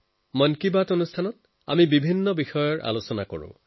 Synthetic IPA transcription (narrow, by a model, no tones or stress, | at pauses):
mɔnkibatonustʰanɔt | amibibʱinːɔbixɔjɔɹʔa̰losɔnako̰ɹʊ̰̃